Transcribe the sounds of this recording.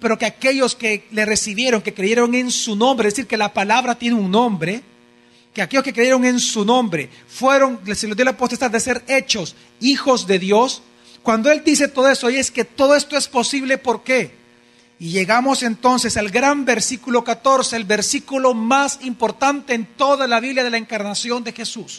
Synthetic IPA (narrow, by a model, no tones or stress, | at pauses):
pe̞ɾo̞keake̞ʝo̞ske̞le̞re̞siβje̞ɾo̞ŋke̞kɾeʝeɾo̞ŋe̞nsunõmbɾezesiɾkelapalaβɾat̪je̞neuŋnõ̞mbɾe̞ | keake̞jo̞skekɾejeɾo̞ŋe̞nsunõ̞mbɾe̞ | fwe̞ɾo̞ŋselod̪jolapost̪est̪ad̪ese̞ɾe̞t͡ʃo̞s | ixo̞zd̪e̞ðjo̞s | kwand̪oe̞ld̪ise̞t̪o̞ðoe̞st̪ojeske̞t̪o̞ðo̞est̪o̞e̞spo̞siβle̞po̞ɾke | iʝe̞ɣamo̞se̞nt̪o̞nse̞salɡɾambe̞ɾsikulo̞kat̪o̞ɾse̞ːlbe̞ɾsikulo̞masimpo̞ɾt̪ant̪e̞ːnt̪o̞ðalaβiβljaðe̞laeŋkaɾnasjo̞nd̪exe̞sus